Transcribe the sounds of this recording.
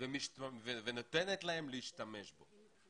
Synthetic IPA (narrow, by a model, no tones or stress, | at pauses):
vemiʃtvevenot̪enet̪laɦe̞mleiʃt̪ame̞ʃbo̞̰